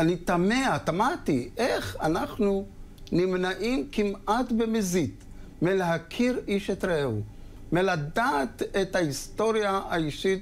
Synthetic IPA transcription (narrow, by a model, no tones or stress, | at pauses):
anit̪ameat̪amat̪iʔeχanaχnu | nimnaʔimkimʔatbemezit̪ | meleɦakʰiʁiʃet̪ɾeu | melad̪aːt̪et̪haist̪o̞ɾjaaiʃit